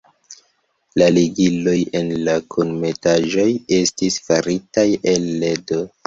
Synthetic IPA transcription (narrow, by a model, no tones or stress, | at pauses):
laliɡilo̞je̞nlakʰonme̞taʒo̞je̞stisfaɾitajelːedo